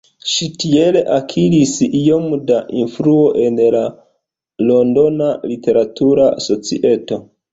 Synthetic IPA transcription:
ʃitie̞le̞ʔakʰilisijo̞mdaʔinfluo̞ʔe̞nla | lo̞ndo̞nalite̞ɾatuɾaa̰so̞t͡siʔe̞to̞

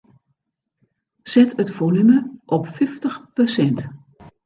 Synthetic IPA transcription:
sɛtətfolyməʔɔpfɪftəxpəsɛnt

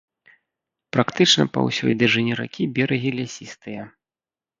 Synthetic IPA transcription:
pɾakt̪ɨt͡ʂnɐ̰pɐ̰wsʲɔ̰jd̪ɨʐɨnʲɛɾa̰kʲibʲɛɾɐɣʲilʲasʲist̪ɨjɐ

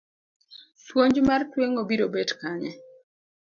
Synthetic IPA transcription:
swoɲd͡ʒmartweŋobiɾobetkaɲɛ

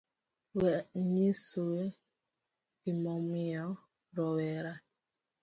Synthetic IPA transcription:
wɛɲisuwe | imɔmijɔ | ɾɔwɛɾa

